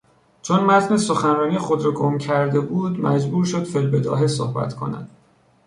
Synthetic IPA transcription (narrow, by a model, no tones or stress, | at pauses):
t͡ʃʰonmæt̪ʰnesoxænrɒːnijexod̪ɾɒːɡomcʰæɾd̪e̞buːd̪mæd͡ʒbuːɾʃod̪fe̞lbe̞d̪ɒ̰ːɦeso̰hbæ̰t̪ʰkʰo̞̰næ̰d̪̥